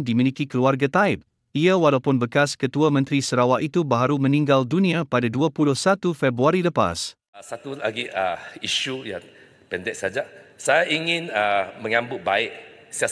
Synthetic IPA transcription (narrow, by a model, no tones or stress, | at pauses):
dimilikikəluarɡat̪aɪp̚ | iawalawpʊnbəkaskət̪uamə̃nt̪ɾisəɾawaʔit̪ubaɦaɾumə̃nĩŋɡaldunĩãpadaduapulʊhsat̪ufɛbɾuaɾiləpa̰s | sat̪ulaɡiʔaiʃujan | pɛndɛk̚sad͡ʒasajaʔiŋɪ̃namə̃ŋãmbʊt̪̚baɪʔ̚ | sia